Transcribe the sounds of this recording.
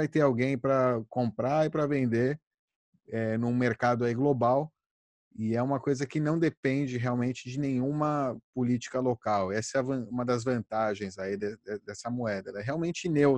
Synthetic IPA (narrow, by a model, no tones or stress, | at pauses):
vajt̪eɾawɡẽj̃pɾɐkõmpɾaɪpɾɐvẽnd̪e | ɛnũmeɾkad̪ʊaiɡlobaw | ɪɛũmɐkojzɐkɪnɐ̃w̃d̪epẽnd͡ʒɪɦeawmẽnt͡ʃɪd͡ʒɪnẽj̃ũmɐpʊlit͡ʃi̥kɐlokawɛsɛɐvɐ̃ũmɐd̪ɐzvɐ̃nt̪aʒẽj̃zaid̪ɛɛd̪ɛsɐmuɛd̪ɐɛlɛɦeawmẽnt͡ʃɪnew